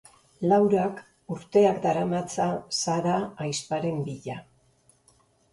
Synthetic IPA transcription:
lawɾak | uɾt̪e̞akd̪aɾamat͡sasaɾaːjspaɾe̞mbiʎa

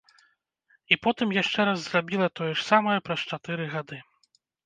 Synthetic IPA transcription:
ipɔt̪ɨmjaʂt͡ʂɛɾazːrabʲilˠɐt̪ɔjɛʂsamɐjɐpɾɐst͡ʂat̪ɛɾɨɣad̪ɨ

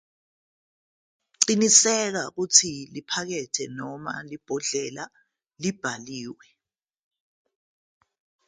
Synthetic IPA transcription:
ǀinisɛk̬ak̬ut͡sʰilipʰak̬ɛtʰɛnɔma̰lib̥ʱɔɮɛla | lib̥ʱaliːwɛ

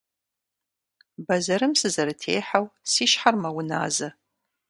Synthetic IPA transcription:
bɐzɐɾɨmsɨzɐɾɨtʰḛːħawsiːʃħarmɐwʊna̰ːzɐ

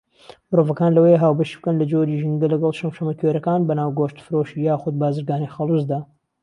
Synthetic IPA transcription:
mɨɾovɐkaːnlɐwejeɦaːwbɐʃib̥ɨkɐnlɐd͡ʒoːɾiʒɨnɡ̪ɐlɐɡɐlˠʃɐmʃɐmɐkʰeɾɐkaːnbɐnaːwɡoːʃt̪fɨɾoʃijaːxʊd̪̚baːzɨɾɡaːnixɑlˠuzd̪aː

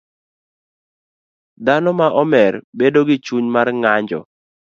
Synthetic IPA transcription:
d̪anɔmaʔɔmɛɾbedoɡɪt͡ʃuɲmarŋaɲd͡ʒɔ̰

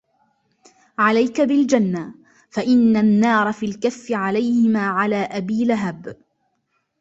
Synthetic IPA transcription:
ʕalajkabɪld͡ʒanːa | faʔɪnːanːɑːɾˤɑfiːlkafːɪʕalajhɪmaːʕalaːʔabiːlaɦab

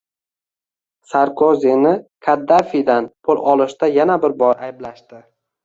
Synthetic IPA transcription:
saɾkʰozinɪkʰad̪ːafid̪anpʰʊlˠɒlˠɪʃt̪ajanabɪɾbɒɾajblaʃt̪ɪ

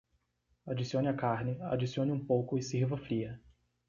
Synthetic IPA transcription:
ad͡ʒisiõnɪakaɾnɪa̰d͡ʒisiõnɪũpowkʊɪsiɾvɐfɾiɐ

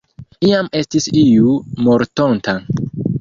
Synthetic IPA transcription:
iame̞stisijumoɾto̞nta

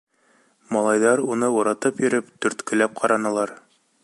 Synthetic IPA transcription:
mɑlˠɑjðɑɾunɤuɾɑt̪ɤpjɵ̆ɾɘpt̪ɵ̆ɾt̪kɵ̆læp̚qʰɑɾɑnɤ̆lˠɑɾ

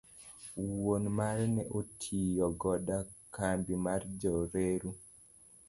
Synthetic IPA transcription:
wonmaɾnɛʔotʰijɔɡɔdakambimard͡ʒɔɾeɾu

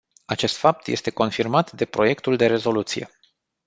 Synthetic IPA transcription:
at͡ʃe̞st̪fap̚t̪je̞st̪e̞ko̞nfirmat̪d̪e̞pɾo̞je̞kt̪uld̪e̞ɾe̞zo̞lut̪sije̞̰

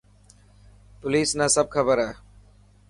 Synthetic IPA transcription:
pʊliːsnãːsəb̚kʰəbəɾɦɛː

